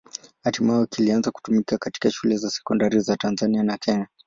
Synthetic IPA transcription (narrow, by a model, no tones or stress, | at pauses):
hatimaɔkilianzaku̥tumikakati̥kaʃulɛzasɛ̥kɔndaɾizatanzanianakɛɲa